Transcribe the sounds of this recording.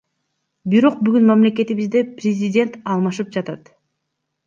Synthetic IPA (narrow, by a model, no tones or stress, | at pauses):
biɾo̞q̚byɡynmamle̞k̬e̞t̪iβizd̪eprʲɪzʲɪdʲe̞nt̪ɑlˠmɑʃɯp̚d͡ʒɑt̪ɑt̪